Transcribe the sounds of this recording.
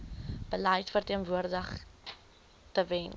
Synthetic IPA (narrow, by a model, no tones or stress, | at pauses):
b̥əlɛjtfərtiənvuərdəχ | təvɛn